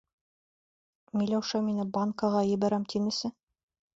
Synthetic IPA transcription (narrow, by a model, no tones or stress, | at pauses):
milæwʃɑminɘbaŋkɑʁɑjɘ̆bæɾæmt̪ʰinɘ̆sɘ